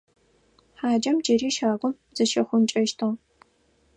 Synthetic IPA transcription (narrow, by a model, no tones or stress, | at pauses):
ħaːd͡ʒɐmd͡ʒɐɾiːʃaːɡʷʊm | zɐʃɐxʷʊmt͡ʃʼɐʃtʰɨʁ